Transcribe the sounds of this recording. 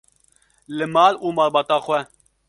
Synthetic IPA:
lɨmɑːluːmɑːlbɑːt̪ɑːxwɛ

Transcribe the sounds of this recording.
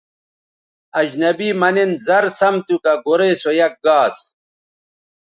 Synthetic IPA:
ɐd͡ʑnɐbiːmɐnenzɐɾsɐmt̪ukɐɡoɾesojɐk̚ɡaːs

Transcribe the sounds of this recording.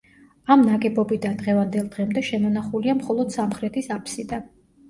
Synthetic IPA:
amnaɡɛbɔbid̪and̪ʁɛvand̪ɛlˠd̪ʁɛmd̪ɛʃɛmɔnaχuliamχɔlˠɔd̪̥samχɾɛt̪ʰisapʰsid̪a

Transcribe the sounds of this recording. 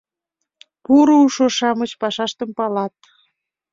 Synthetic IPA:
puɾouʃoʃɑmət͡ɕpɑʃɑʃt̪əmpɑlɑt̪̚

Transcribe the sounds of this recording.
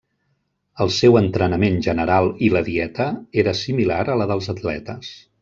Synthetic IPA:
əlˠsɛwənt̪ɾənəmenʒənəɾalˠiləðiɛt̪əeɾəsimilaɾələðəlˠzət̪lɛ̰t̪əs

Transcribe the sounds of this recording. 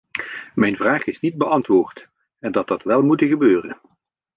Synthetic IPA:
mɛjnvraːχɪsnid̚bəʔɑntʋoːɹt | ɛndɑt̚dɑtʋɛlˠmutəɣəbøːrə̰n

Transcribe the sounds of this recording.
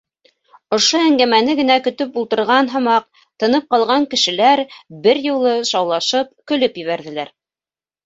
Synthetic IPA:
ŏʃoæŋɡæmænɘɡɘ̆nækɵ̆t̪ɵpulˠt̪ɤ̆ɾʁɑnɦɤ̆mɑq̚ | t̪ɤ̆nɤp̚qɑlˠʁɑŋkɘ̆ʃɘ̆læɾbɘɾjŭlˠɤʃɑwlˠɑʃɤp̚kɵ̆lɵpjɘ̆βæɾðɘ̆læɾ

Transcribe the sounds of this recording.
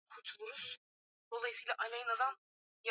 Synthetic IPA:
kʰuɾt̪ʰulˠuɾuz̥ | d̪̥o̞lˠajisɯːlʲˠaʔalʲajɯnad̪an | j

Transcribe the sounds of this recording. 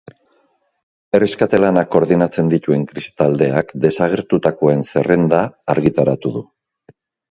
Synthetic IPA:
e̞reskat̪elanako̞ɾðinat͡se̞nd̪it̪ue̞ŋkɾist̪ald̪e̞akd̪e̞saɣ̞e̞ɾt̪ut̪ako̞e̞nse̞re̞nd̪aːɾɣit̪aɾat̪uðu

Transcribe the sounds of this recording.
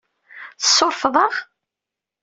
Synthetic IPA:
θəsˤːoɾˤfðˤəʁ

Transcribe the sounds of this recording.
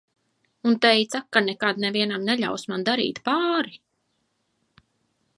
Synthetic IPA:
unt̪ɛjt̪sakːanɛkad̪nɛviɛnamnɛʎʲa̰wsmand̪aɾḭːt̪paːɾi

